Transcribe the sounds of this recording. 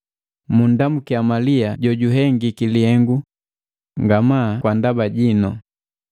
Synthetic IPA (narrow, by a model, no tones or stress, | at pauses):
mundamukiamaliaɟɔɟuɦɛŋɡikilihɛŋɡu | ŋɡamakwandabaɟinɔ̰